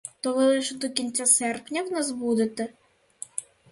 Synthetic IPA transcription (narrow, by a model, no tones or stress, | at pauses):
t̪ɔʋɪlˠɪʃɛd̪ɔkʲinʲt͡sʲːasɛrpnʲawnazbud̪ɪt̪ɛ